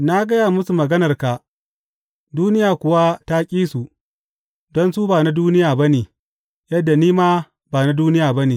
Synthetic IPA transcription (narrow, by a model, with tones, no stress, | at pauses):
na˦ɡɐ˦ja˨mʊ˦su˨mɐ˨ɡɐ˦nɐ˨rka˨ | duː˦nɪ˦jaː˨kʷʊ˨wa˦ta˦kʲʼiː˦su˨ | dɔ˦nsu˦baː˨na˦duː˦nɪ˦jaː˨bɐ˦neː˨ | jɐ˦dːa˨niː˦maː˦ | baː˨na˦duː˦nɪ˦jaː˨bɐ˦neː˨